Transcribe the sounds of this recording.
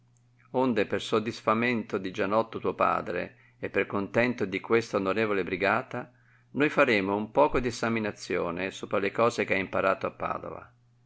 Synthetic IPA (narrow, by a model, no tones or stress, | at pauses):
ond̪epersod̪ːisfament̪od̪id͡ʒanɔt̪ːot̪uːopa̰ːd̪ɾḛ | epːerkont̪ɛnt̪od̪ikwest̪aonoɾeːvolebɾiɡaːt̪a | nojfaɾeːmoumpɔːkod̪iesaminat̪sːjo̰ːnesoːpɾalekɔːzek̟eaimpaɾaːt̪oapːa̰ːd̪o̰va̰